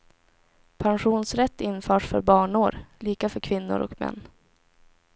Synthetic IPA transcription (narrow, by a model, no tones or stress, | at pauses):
pʰanɧuːnsɾɛt̪ːɪnfœːʂfœ̰ɾbɑːɳʊɾliːkafœɾkʰvɪnːʊ̰ɾʔɔ̰kmɛ̰nː